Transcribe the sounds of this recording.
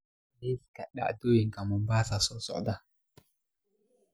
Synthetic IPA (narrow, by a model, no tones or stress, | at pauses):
liskaɗa̰ʔdujiŋkamumbasasɔsɔ̰ʔda